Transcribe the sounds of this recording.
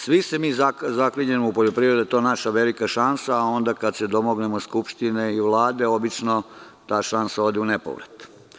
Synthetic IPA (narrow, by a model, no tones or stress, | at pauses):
sʋise̞miːzazakliɲemoupo̞ʎopɾiʋɾed̪ut̪onaʃaʋe̞likaʃansaːo̞nd̪akad̪se̞d̪o̞moɡnemoskupʃt̪ineiʋlˠaːd̪e̞o̞bit͡ʃno̞ | t̪aːʃansao̞d̪eunepo̰ʋɾet̪